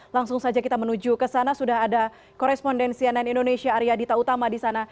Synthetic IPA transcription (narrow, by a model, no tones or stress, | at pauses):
laŋsʊŋsad͡ʒakit̪amənud͡ʒukəsanasudaɦada | koɾɛspɔndɛnsiɛnɛnindonesiaːɾiadit̪aut̪amadisana